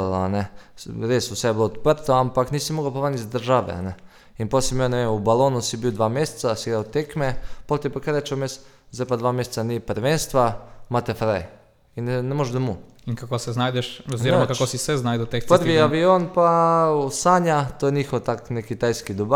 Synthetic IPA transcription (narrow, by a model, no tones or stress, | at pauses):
lanɛɾeːsusɛjblot̪pɾt̪oampakniːsimoɡawpaʋanizd̪əɾʒaːʋɛ̰a̰nɛ | inposimjaneʋeːmubaloːnusibiwd̪ʋamjest̪sasiɡɾawt̪ekmɛpot̪epakaɾet͡ʃomes | zajpad̪ʋaːmjese̥t̪sanipəɾʋenst̪ʋamat̪efɾaj | innɛmoʒd̪amu | iŋkakosɛznaːjd̪ɛʃoziɾomakakosisɛznaːjd̪ot̪ek̪pəɾʋiaʋioːnpaosaɲat̪oːjeɲixot̪aknɛkit̪ajskid̪oba